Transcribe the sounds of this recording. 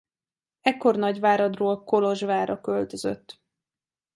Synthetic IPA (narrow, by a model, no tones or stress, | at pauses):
ɛkːo̞rnɒɟʋaːɾɒd̪roːlko̞lo̞ʒʋaːɾʔɒkølt̪øzø̰t̪ː